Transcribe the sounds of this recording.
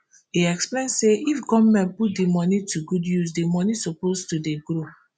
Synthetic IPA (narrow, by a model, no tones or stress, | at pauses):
iɛksplẽnseʔifɡɔmmɛ̃nput̚demɔnitʰuɡudjusdemɔnisɔpostudeɡɾo